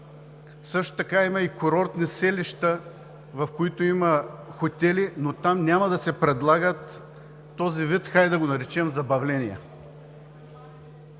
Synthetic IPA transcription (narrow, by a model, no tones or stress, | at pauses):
sɤʃt̪o̥t̪ɐkaimɐikoɾɔɾt̪nisɛliʃt̪ə | vɐfkoit̪oimɐxot̪ʲɛlinot̪amnʲamɐd̪ɐsɛpɾɛd̪lˠaɡət̪ː | ɔzivit̪xajd̪ɐɡonɐɾɛt͡ʃɛmzɐbɐvlɛnijɛ